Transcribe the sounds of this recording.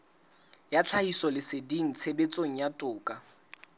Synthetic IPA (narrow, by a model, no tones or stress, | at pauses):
jat͡sʰaisɔlɪsediŋ̩t͡sʰebet͡sʼoŋ̩jatʼʊːkʼa